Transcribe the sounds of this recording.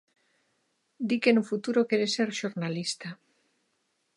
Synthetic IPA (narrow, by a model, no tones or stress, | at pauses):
d̪ikenufut̪uɾokeɾeseɾʃoɾnalist̪a